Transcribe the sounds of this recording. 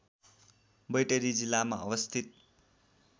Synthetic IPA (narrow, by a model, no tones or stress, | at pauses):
bʌjʈʌɾid͡zilːama̰ʌwʌst̪ʰit̪̚